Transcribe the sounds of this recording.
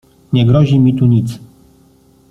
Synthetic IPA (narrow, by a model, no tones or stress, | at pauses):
ɲɛɡɾɔʑimʲit̪uɲit̪s